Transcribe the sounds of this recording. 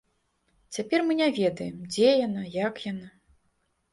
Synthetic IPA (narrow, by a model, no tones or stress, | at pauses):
t͡sʲapʲɛrmɨnʲavʲɛd̪ɐjɛmd͡zʲɛjanajakjana